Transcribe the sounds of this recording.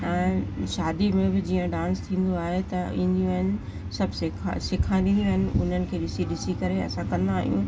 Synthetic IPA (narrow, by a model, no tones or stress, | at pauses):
ɛ̃ːʃaːd̪imẽbɪd͡ʑiːə̃ɖãːnst̪ʰĩːn̆d̪oaːɦet̪ɐḭ̃ːn̆d̪ijũɦɪnɪ̆ | sɐbʱsɪkʰsɪkʰãːd̪ĩnd̪jũɦɪnɪ̆ʊ̰n̤ənɪ̆kʰeːɗɪsiɗɪsikɐɾeɐ̰sãkɐ̃nd̪aːɦijṵ̃